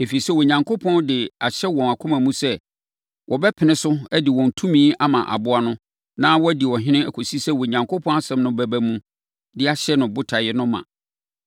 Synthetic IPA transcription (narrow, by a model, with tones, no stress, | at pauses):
e˨fi˨i˨sɛ˦˨wɔ˨ɲã˨ŋkʰo˦pʰɔ̃˦ndɪ˨a˨ɕɛ˦wɔ̃˨na˨kʰʊ̃˦mã˨mũ˦sɛ˦ | wʔɔ˨bɛ˦pʰɪ˨nɪ̃˦sʊ˦æ˦dɪ˨wɔ̃˨n˨tʰũ˦mĩː˦a˦mã̰˨ʔa̰˨bʊ˦a˦nʊ̃˦ | nã˦wɔ˦æ˦di˨wɔ˨ɦɪ̃˦nɪ̃˦æ˨kʰo˨si˦sɛ˦˨wɔ˨ɲã˨ŋkʰo˦pʰɔ̃˦na˦sɛ̃˦mnʊ̃˦bæ˨bæ˦mũ˦ | dɪ˦a˨ɕɛ˦nʊ̃˨bʊ˦tʰa˨jɛ˦nʊ̃˦mã̰˨